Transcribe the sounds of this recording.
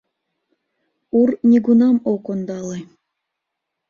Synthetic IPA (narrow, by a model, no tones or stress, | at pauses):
urnʲiɡunɑmokond̪ɑle